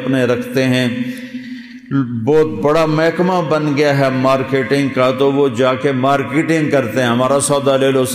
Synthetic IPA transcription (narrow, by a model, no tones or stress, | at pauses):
pneɾɐkʰt̪eɦɛ̃ | bɔːt̪̚bɐɽamɛɦkmabɐnɡɐjaɦɛmaːɾkeːʈɪ̃ŋɡkat̪oʋod͡ʒaːkemaːɾkeːʈɪ̃ŋɡkɐɾt̪eɦɛ̃ɦɐmaːɾasɔːd̪aleːlos